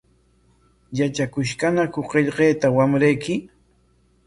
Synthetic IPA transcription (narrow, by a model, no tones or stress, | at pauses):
jat͡ʃakʊʃkanakʊɢeʎɢeːt̪awamɾajkɪ